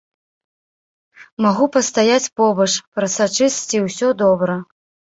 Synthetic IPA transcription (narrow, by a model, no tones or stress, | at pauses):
maɣupɐst̪ajat͡sʲpɔbɐt͡ʂpɾɐsat͡ʂɨst͡sʲiwsʲɔd̪ɔbɾɐ